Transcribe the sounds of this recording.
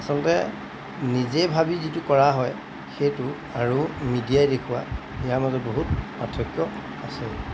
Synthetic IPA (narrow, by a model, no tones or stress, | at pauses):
asɔlɔtɛ | nizejbʱabizitukɔɹaɦɔj | xejtʊ | aɹumidiajdekʰuwa̰ijaɹmazɔt̚boɦutpatʰɹɔkjɔ | ase